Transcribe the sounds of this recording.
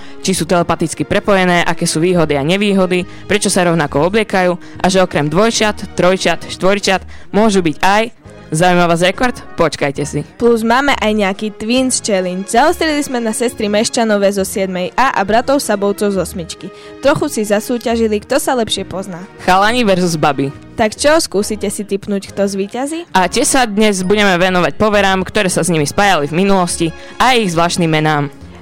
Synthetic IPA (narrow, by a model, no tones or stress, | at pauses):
t͡ʃisuːt̪ɛlɛpat̪it͡skipɾɛpɔjɛnɛːʔakɛːsuːʋiːɦɔd̪iaɲɛʋiːɦɔd̪i | pɾɛt͡ʃɔsaɾɔʊnakɔɔblɪɛkajuː | ʔaʒɛɔkɾɛmd̪ʋɔjt͡ʃat̪ːɾɔjt͡ʃat̪ʃt̪ʋɔjt͡ʃat̪mʊɔʒubiɟaj | zaujmaʋaːzɾɛkɔɾt̪pɔt͡ʃkajcɛsipluzmaːmɛʔajɲɛakiːt̪ʋiːnst͡ʃɛliɲd͡ʒzaɔst̪ɾɛlizmɛnasɛst̪ɾimɛʃt͡ʃanɔʋɛzɔsɪɛd̪mɛjʔaːʔabɾat̪ɔʊsabɔʊt͡sɔʊzɔsmit͡ʃki | t̪ɾɔxusizasuːcaʒilikt̪ɔsalɛpʃɪɛpɔznaːxalaɲiːʋɛɾzuzbabi | t̪akt͡ʃɔɔskuːsicɛsit̪ipnuːckt̪ɔzʋiːcaziːʔacɛsad̪ɲɛzbuɟɛmɛʋɛnɔʋac̚pɔʋɛɾaːmkt̪ɔɾɛːsazɲimispaːjalivminulɔsci | ʔajiɣzʋlaːʃnimːɛnaːm